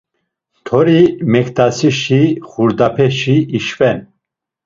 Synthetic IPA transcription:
t̪ʰɔɾimɛkt̪asiʃiχuɾd̪apʰɛʃiːʃfɛn

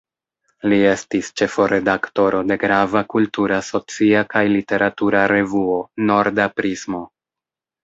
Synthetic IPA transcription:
lie̞stist͡ʃe̞fo̞ɾe̞dakto̞ɾo̞de̞ɡɾavakultuɾaso̞t͡siakajlite̞ɾʔatuɾaɾe̞vuo̞no̞ɾdapɾismo̞

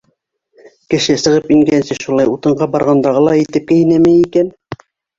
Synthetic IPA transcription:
kɘ̆ʃɘsɤ̆ʁɤpiŋɡænsɘʃulˠɑjut̪ɤ̆ɴɢɑbɑɾʁɑnd̪ɑʁɤlˠɑit̪ɘp̚kæinæmæjikæn

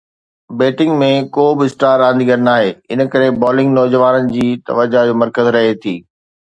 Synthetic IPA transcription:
beːʈɪ̃ŋɡmẽkoːbɪsʈaːɾãːnd̪iɡɐɾnaːɦeːɪnə̆kɐɾebɔːlɪ̃ŋɡnɔːd͡ʑəʋaːnənɪ̆d͡ʑiːt̪ɐ̰ʋəd͡ʑad͡ʑoːmɐɾkəzɾɐɦet̪ʰiː

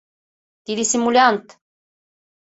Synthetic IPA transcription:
t̪iɾisimulʲant̪

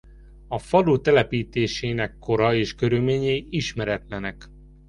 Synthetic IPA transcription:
ɒfɒd̪uːt̪ɛlɛpiːt̪eːʃeːnɛkːo̞ɾɒeːʃkø̞ɾylmeːɲeːiʃmɛɾɛt̪lɛnɛk

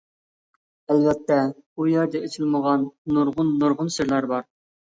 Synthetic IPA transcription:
ælvɛt̪ʰːɛujɑd̪ɛet͡ʃʰilməʁɑnːuɾʁʊnːuɾʁʊnsɪɾlˠɑɾbɑɾ

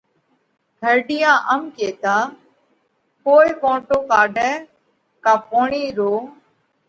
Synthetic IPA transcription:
ɡ̪ʱəɾɖɪjãːʔəmkeːt̪ãː | koːɪkõːʈoːkaːɖɛ̃ː | kãːpoːɳiːɾoː

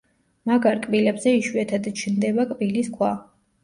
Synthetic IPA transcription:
maɡaɾkʼbilɛbzɛiʃuɛt̪ʰad̪t͡ʃʰnd̪ɛbakʼbiliskʰwa

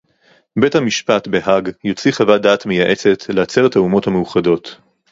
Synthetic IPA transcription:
be̞thamiʃpatbe̞ɦaɡjo̞t͡siχavadaːtme̞jaʔe̞t͡se̞tʰlejat͡seʁethaumo̞thamejuχado̞t

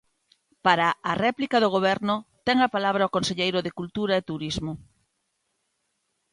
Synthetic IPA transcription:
paɾaːrɛplikaðoɣ̞oβ̞ɛɾnʊt̪ɛŋapalaβɾaokonseʎejɾʊðɪkult̪uɾaet̪uɾizmʊ

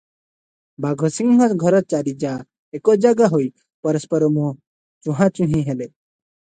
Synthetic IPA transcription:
baɡʱɔsiŋɡɦɔt̪ɡʱʌɾɔt̪̚t͡ʃaɾid͡ʒa | ekod͡ʒaɡaɦoj | pɔɾəspɔɾɔmũ | t͡ʃũɦãt͡ʃũɦĩɦele

